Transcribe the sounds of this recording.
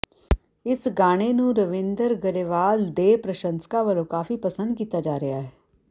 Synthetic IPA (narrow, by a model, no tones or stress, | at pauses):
ɪsɡaːɽ̃eːnũːɾəʋɪ̃nd̪əɾɡəɾeʋaːld̪eːpɾəʃənskãːʋəlõːkaːfiːpəsə̃nd̪̚kiːt̪aːd͡ʒaːɾɪjaɦɛː